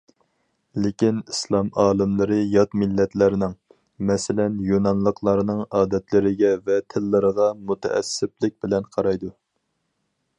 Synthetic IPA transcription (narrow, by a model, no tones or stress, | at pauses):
lɪkʲinislˠɑmɑːlˠɨmlˠɨɾɨjɑt̪mɪlːɛt̪lɪɾnɪŋ | mɛsɪlɛnjonɑnlˠəqʰlˠɑɾɨnɨŋɑːd̪ɛt̪lɪɾɪɡʲɛvɛt̪ʰɪlːɨɾəʁɑmut̪ʰɛ̰ʔɛ̰sːɪp̚lɪk̚ʲbɪlɛnqʰɑɾɑjd̪u